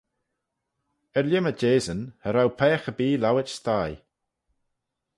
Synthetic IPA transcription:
ɛɹljəməd͡ʒeːzənhəɾawpʰɛːxəbiːlawɪt͡ʃst̪aj

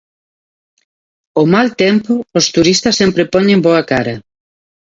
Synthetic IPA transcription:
omalt̪ɛmpʊːst̪uɾist̪ɐsːempɾepɔɲẽmboɐkaɾɐ

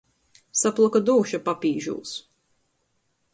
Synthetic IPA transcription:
saplˠɔkad̪uːʃapapʲiːʒṵːs

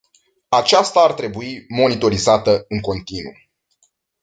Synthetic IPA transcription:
at͡ʃast̪aːrt̪ɾe̞buimo̞nit̪o̞ɾizat̪əɨŋko̞nt̪inṵ

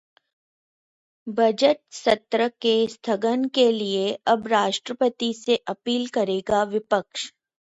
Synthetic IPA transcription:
bʱɐd͡ʒəʈ̪̚sɐt̪ɾəkest̪ʰəɡənkelieɐbɾaːʃʈɾəpət̪iseʔɐpiːlkɐɾeːɡaʋɪpəkʃ

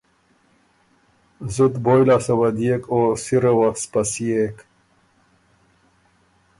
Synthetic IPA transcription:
zut̪boːjlasɐwɐd̪ijekoːsiɾɐwɐspɐsieːk

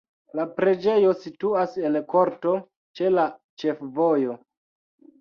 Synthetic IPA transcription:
lapɾe̞d͡ʒe̞jo̞situase̞nko̞ɾto̞ | t͡ʃe̞la | t͡ʃe̞fvo̞jo̞

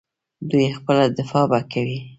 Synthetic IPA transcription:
d̪ujexpəlad̪ɪfɑbakʰawi

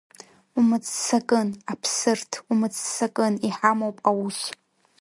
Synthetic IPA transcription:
umɨt͡st͡sakʼɨnapʰsɨrtʰumɨt͡ssakʼɨniħamowpʼawuʃ

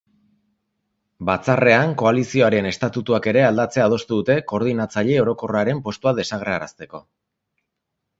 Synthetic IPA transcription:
bat͡sare̞aŋko̞alisio̞aɾe̞ne̞st̪at̪ut̪uake̞ɾe̞ald̪at͡se̞aːð̞o̞st̪uðut̪e̞ko̞ːɾð̞inat͡saʎe̞o̞ɾo̞ko̞raɾe̞mpo̞st̪uaðe̞saɣ̞ɾeaɾa̰st̪e̞ko̞̰

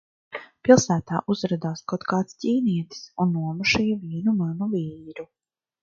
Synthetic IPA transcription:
pilˠsæːt̪aːʔuzɾad̪aːskawt̪kaːt̪sciːniɛt̪i̥sunːuɔmuʃijviːnumanuviːɾu

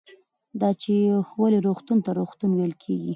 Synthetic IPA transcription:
d̪ɑt͡ʃexwaliɾoxt̪unt̪aɾoxt̪unwejlkʰeɡi

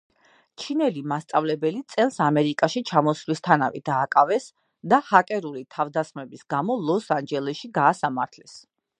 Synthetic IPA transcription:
t͡ʃʰinɛlimast̪sʼavlɛbɛlit̪sʼɛlˠsamɛɾikʼaʃit͡ʃʰamɔslist̪ʰana̰vɛ̰d̪aːkʼavɛs | d̪ahakʼɛɾulit̪ʰavd̪asχmɛbisɡamɔlˠɔsand͡ʒɛlɛʃiɡaːsamaɾt̪ʰlɛs

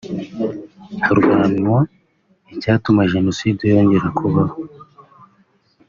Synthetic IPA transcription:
haɾɡwaːnwa | icaːtumaʒe̞no̞sidejo̞ːɲɟeɾakʰuβaho

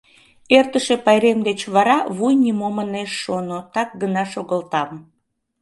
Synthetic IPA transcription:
ert̪əʃepɑjɾemd̪et͡ɕβɑɾɑβujnimoməneʃːonot̪ɑk̚ɡənɑʃoɣəlt̪ɑm

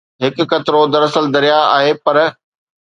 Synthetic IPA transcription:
ɦɪkʊ̆kɐt̪ɪɾod̪ɐɾɐsəld̪ɐɾijaa̰ːɦepɐɾ

